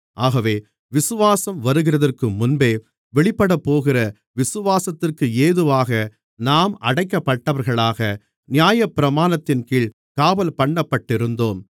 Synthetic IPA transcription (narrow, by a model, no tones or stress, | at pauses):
ʔaːɣɐʋeː | ʋɪsɯʋaːsɐmʋɐɾɯɣɪrɐðɐrkɯmʊnbeː | ʋɛɭɪpːɐɽɐpːoːɣɪrɐ | ʋɪsɯʋaːsɐt̪ːɪrkɯeːðɯʋaːɣɐ | naːmɐɽɐɪkːɐpːɐʈːɐʋɐɾɣɐɭaːɣɐ | nɪjaːjɐpːɪɾɐmaːnɐt̪ːɪnkiːɭ | kaːʋɐlpɐɳːɐpːɐʈːɪɾɯnd̪oːm